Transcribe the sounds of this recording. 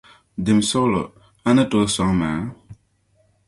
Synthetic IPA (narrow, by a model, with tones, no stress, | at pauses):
d̪i˩˨mso˦lo̰˨ | a˦nə˦to˨sa˨ŋma̰˨